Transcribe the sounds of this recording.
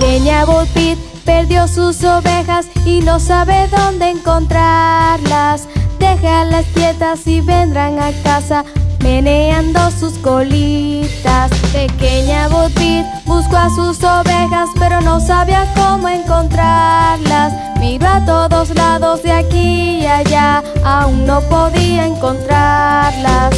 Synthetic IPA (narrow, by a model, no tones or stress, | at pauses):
keɲaβot̪bit̪̚ | peɾðjo̞suso̞βe̞xasino̞saβeðo̞nd̪e̞ːŋko̞nt̪ɾaɾlasd̪e̞xalasp̪jet̪asiβend̪ɾaŋakasame̞neand̪o̞suskolit̪aspe̞keɲaβot̪βit̪̚ | buskoasuso̞βe̞xaspe̞ɾo̞no̞saβiako̞moeŋko̞nt̪ɾaɾlas | miɾoat̪o̞ðo̞zlaðo̞zðeakijaʝaːuŋno̞po̞ðiaeŋko̞nt̪ɾaɾlas